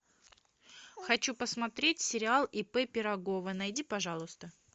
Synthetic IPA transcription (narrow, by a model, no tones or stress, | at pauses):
xɐt͡ɕupəsmɐt̪ɾʲetʲsʲɪɾʲɪalˠɪpɛpʲɪɾɐɡovənɐjdʲipɐʐalˠʊst̪ə